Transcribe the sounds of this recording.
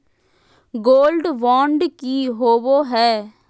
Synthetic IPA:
ɡoːlɖʋaːɳɖkiːɦoːʋoːɦɛː

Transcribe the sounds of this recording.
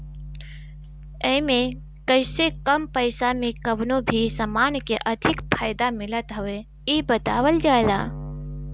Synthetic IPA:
əɪmẽ | kəɪsekəmpəɪsamẽkəbnobʱisəmaːnkeʔəd̪ʱɪkpʰaːɪd̪amɪlət̪ɦəʋe | ibət̪aːʋəld͡ʒala̰ː

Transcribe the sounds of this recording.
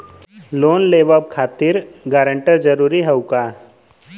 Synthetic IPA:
loːnleːʋəb̚kʰaːt̪ɪɾɡaːɾə̃ɳʈəɾd͡ʒəɾuːɾiɦəukaː

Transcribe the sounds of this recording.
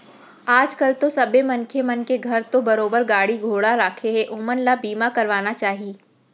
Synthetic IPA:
aːd͡ʒkɐlt̪osɐbemɐ̃nkʰemɐnkeɡʱɐɾt̪obɐɾoːbəɾɡaːɽiɡʱoːɽaɾaːkʰeɦɛʔʊmənlabiːmakɐɾʋaːnat͡ʃaːɦieː

